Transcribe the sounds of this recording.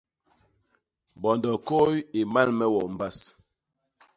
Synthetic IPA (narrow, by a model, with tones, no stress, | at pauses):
bɔ˨ndɔ˨ko˦je˨ma˦lmɛ˦wɔ˨m̩˨ba˦˨s